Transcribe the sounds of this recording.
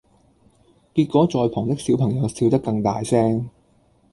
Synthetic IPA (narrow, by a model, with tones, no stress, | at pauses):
kiː˧t̚kʷɔː˨˥t͡sɔː˨jpʰɔː˨˩ŋt̪ɪ˥k̚si˨˥wpʰɐ˨˩ŋjɐ˨˧wsiː˧wt̪ɐ˥kːɐ˧ŋt̪aː˨jsɛː˥ŋ